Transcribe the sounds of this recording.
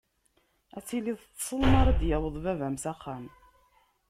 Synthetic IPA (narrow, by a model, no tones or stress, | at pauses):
æt͡sːiliðˤt͡sːsˤəlmɑɾˤɑd̪jæwəðˤvævæmsæχːæm